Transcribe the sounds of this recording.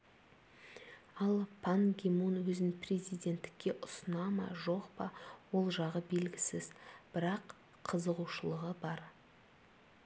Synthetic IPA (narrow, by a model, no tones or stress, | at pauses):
ɑlˠpʰaŋɡʲemunwɵznɪprʲezijd̪e̞nt̪ːɪ̥kʲːe̞ʔʊsənɑmɑ̰ʒo̞qpɑwo̞lˠʒɑʁəbe̞lɡʲɪsɪzb̥ɪɾɑq | qʰəzəʁuʃəlˠəʁəbɑɾ